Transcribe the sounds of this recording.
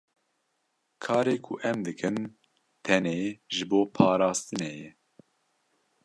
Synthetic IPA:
kʰɑːɾeːkʰʊʔɛmd̪ɨkʰɨn | t̪ʰɛneːʒɨboːpʰɑːɾɑːst̪ɨnɛjɛ

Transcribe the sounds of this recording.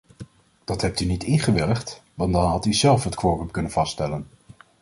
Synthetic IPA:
d̥ɑtɦɛp̚tynitɪnχəʋɪləχtʋɑndɑnɦɑtyzɛlˠfɦətkʋorəmkɵnənvɑstɛlən

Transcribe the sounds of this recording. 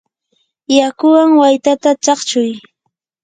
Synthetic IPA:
jakʊwaŋwajt̪at̪at͡ʃɑχt͡ʃʊj

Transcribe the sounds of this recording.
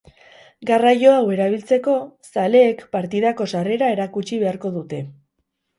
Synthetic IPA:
ɡarajo̞awe̞ɾaβ̞ilt͡se̞ko̞sale̞ːkpaɾt̪iðako̞sare̞ɾae̞ɾakut͡ʃiβ̞e̞aɾko̞ðut̪e̞

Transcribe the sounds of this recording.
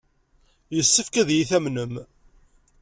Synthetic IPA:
jəsːəfkæðjiθæmnəm

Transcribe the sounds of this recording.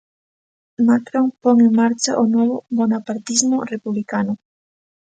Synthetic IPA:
makɾoŋpoŋeŋmaɾt͡ʃaʔonwɔβʊmonapaɾt̪izmʊrepuβlikanʊ

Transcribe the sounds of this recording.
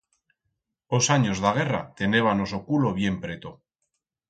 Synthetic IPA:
osaɲozðaɣ̞e̞rat̪e̞neβ̞ano̞so̞kulo̞β̞je̞mpɾe̞t̪o

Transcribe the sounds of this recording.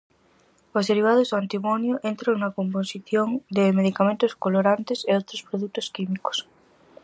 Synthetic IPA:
ozðeɾiβ̞aðozðoant̪imonjoʔent̪ɾaŋnɐkomposiθjoŋd̪emeðikamẽnt̪oskoloɾant̪eseowt̪ɾospɾoðuk̚t̪oskimiko̥s

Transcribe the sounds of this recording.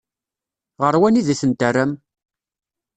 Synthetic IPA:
ʁəɾwæniðiθənt̪ərːæm

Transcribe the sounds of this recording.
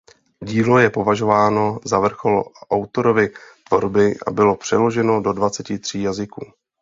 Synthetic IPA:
ɟiːlo̞jɛpo̞vaʒo̞vaːno̞zavr̩xolʔawt̪o̞ɾo̞vɪt̪vo̞̰ɾbɪʔa̰bɪlo̞pr̝̥ɛlo̞ʒɛno̞do̞dvat͡sɛcɪt̪r̝̥iːjazɪkuː

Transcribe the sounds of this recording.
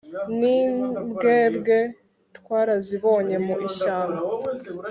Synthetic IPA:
nibɡe̞ːbɡe̞ | tkwaːɾaziβo̞ːɲe̞muʔiʃaːma

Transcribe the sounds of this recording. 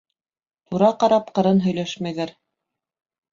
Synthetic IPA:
t̪uɾɑqɑɾɑp̚qɤ̆ɾɤnɦɵ̆jlæʃmæjðæɾ

